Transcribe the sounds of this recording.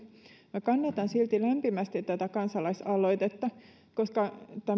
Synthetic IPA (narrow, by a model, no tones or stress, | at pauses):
mækɑnːɑt̪ɑnsilt̪ilæmpimæst̪it̪t̪æt̪ækɑnsɑlɑisɑloit̪et̪ːɑ | koskɑt̪æ